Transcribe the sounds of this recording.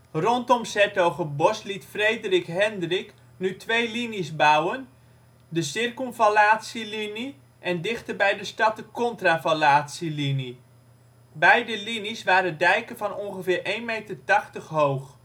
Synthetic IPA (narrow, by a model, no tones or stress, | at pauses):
rɔntɔmsɛtowχəbɔslitfrejdərɪkɦɛndrɪk | nytʋejlinisbawən | dəsɪrkɔlˠvalaːtsilini | ʔɛndɪχtəɹbɛjdəstɑt̚dəkɔntravalaːtsilini | bɛjdəlinisʋaːɾədɛjkənvɑnɔnχəvɪːɹejnmejtərtɑχtəχɦowχ